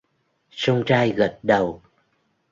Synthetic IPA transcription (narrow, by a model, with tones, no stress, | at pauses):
sə˧wŋ͡mt͡ɕaː˧jɣə˨˩˦t̚ɗə˨˩w